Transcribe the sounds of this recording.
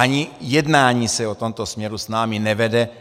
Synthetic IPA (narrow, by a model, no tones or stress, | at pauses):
aɲɪjɛdnaːɲiːsɛot̪omt̪osmɲɛɾusnaːminɛvɛdɛ